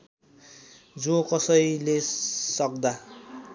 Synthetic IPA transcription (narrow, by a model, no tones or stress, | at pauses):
d͡zõkʌsʌjlesʌk̚d̪a